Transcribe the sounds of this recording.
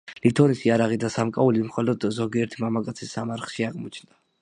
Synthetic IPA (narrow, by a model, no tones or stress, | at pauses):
lit̪ʰɔnisiaɾaʁid̪asamkʼaulimχɔlɔd̪zɔɡiɛɾt̪ʰimamakʼat̪sʰisːamaɾχʃiaʁmɔt͡ʃʰnd̪a